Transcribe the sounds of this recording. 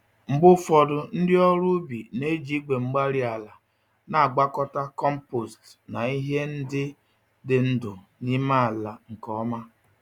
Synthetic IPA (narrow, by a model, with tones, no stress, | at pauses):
ŋ͡m̩˨ɡ͡bʊ˦fɔ˨dʊ˨n̩˦dɪ˦ɔ˦ɾʊ˦bi˨ne˦d͡ʒi˦ɡ͡be˨ŋ͡m̩˦ɡ͡ba˦ɾi˦a˨la˨ | na˨a˨ɡ͡ba˦kɔ˦ta˦kɔ˦m̩˦po˨stna˨i˦ɦe˦n̩˦dɪ˦ | dɪ˨n̩˦dʊ˨ | ni˦ma˦a˨la˨ŋ̩˨kɔ˦ma˦